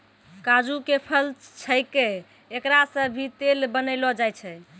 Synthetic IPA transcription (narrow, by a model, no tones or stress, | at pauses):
kad͡ʒukepʰəlt͡ʃʰəjkeː | kɾasə̃bʱit̪elbənəɪlɔd͡ʒajt͡ʃʰɛ